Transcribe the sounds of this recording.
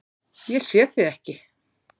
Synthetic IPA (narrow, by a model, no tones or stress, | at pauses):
jɛsjɛθɪðɛhcɪ